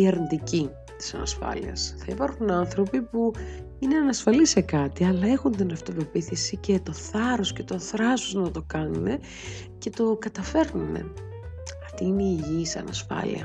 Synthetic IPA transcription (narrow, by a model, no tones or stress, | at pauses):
ieɾnd̪ici | t̪i̥sɐnɐ̰sfɐ̰lḭɐ̰sθɐipɐɾxunɐnθɾo̞pipu | ine̞ɐnɐsfɐlisekɐt̪iɐlɐe̞xunt̪inɐft̪ove̞piθisice̞t̪o̞θɐɾo̞sce̞t̪o̞θɾɐsoznɐt̪o̞kɐnune̞ | ce̞t̪o̞kɐt̪ɐfe̞ɾnunḛ | ɐft̪iineiʝiːsɐ̰nɐsfɐ̰lḭɐ̰